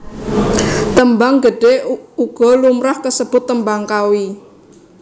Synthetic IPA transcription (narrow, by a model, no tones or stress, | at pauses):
t̪əmbaŋɡəɖ̥euɡ̥ɔ̤lumɾahkəsəb̥ʊt̪ːəmbaŋkawi